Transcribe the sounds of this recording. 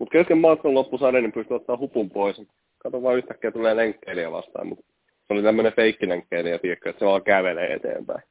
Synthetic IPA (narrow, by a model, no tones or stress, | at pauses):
mut̪keskemmɑːˑt̪kɑlopːusɑɾenːempyst̪yot̪ːɑːhupumpois | kɑt̪omɑːyht̪ækːeːt̪ulːeːleŋkːeiliæʋɑ̰st̪ɑ̰ːmmut̪ | seolit̪æmːønefeikːileŋkːeinejɑt̪iekːøet̪seʋɑːŋkæʋelḛːḛt̪ḛːmpæ̰i